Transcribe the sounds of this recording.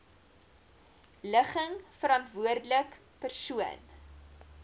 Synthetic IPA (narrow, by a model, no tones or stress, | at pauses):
ləχəŋfəɾɑntvuərdələk | pərsuən